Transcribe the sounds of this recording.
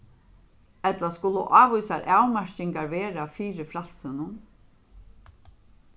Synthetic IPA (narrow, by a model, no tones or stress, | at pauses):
ɛt̪laskʊlʊ̰ʔaːʋujsaɾʔaːwmɛɹ̥cɪŋkaɹvɛːɾafiːɾɪfɾalsɪnʊn